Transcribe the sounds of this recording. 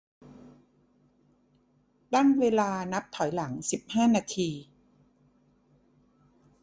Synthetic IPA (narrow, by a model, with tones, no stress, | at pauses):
ba˥˩ŋweː˧laː˧na˦˥p̚t̪ʰɔ˨˩˦jla˩˦ŋsi˨˩p̚haː˥˩naː˧t̪ʰiː˧